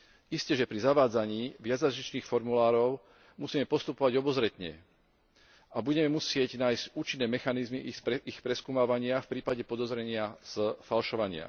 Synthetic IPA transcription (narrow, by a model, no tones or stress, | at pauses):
iscɛʒɛpɾizaʋaːd͡zaɲiːʋɪad͡zazɾit͡ʃniːxfɔɾmulaːɾɔʊ | musiːmɛpɔst̪upɔʋaɟɔbɔzɾɛt̪ɲɛ̰ | ʔabuɟɛmɛmusɪɛɟnaːjscuːt͡ʃinːɛːmɛxanizmiixpɾɛskuːmaːʋaɲɪafpɾiːpaɟɛpɔd̪ɔzɾɛɲɪaz̥falʃɔʋaɲɪa̰